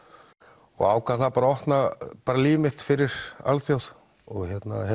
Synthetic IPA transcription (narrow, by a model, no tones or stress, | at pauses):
ɔ̰ɣa̰ːwkʰvaθaðpaːɾaɔht̪napaːɾaliːvɪmɪht̪fɪɾɪɾ̥a̰lθjowθ | ɔɣçjɛt̪nahɛ